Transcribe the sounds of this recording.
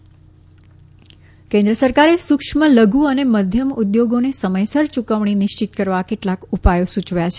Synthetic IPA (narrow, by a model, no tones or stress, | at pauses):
kẽnd̪ɾəsəɾkaɾesukʂmələɡuəneməd̪ʱjəmud̪joɡonesəməjsəɾt͡ʃukəʋɳ̃inɪʃt͡ʃit̪̚kəɾʋakeʈlakupajosut͡ʃʋjat͡ʃʰe